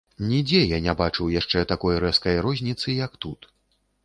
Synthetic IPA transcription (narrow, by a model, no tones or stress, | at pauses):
nʲid͡zʲɛjanʲabat͡ʂɨwjaʂt͡ʂɛt̪akɔjɾɛskɐjɾɔzʲnʲit̪sɨjɐkt̪ut̪